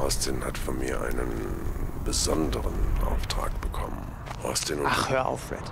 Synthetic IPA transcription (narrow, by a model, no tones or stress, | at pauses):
ʔɔstɪnhatfɔnmiːɐʔa̰ɪnənb̥əzɔndəʁənʔa̰ʊftʁ̥a̰ːkb̥əkʰɔmən | ʔɔstɪnʊnχøːɐʔa̰ʊfv̥ɛ̰ɐt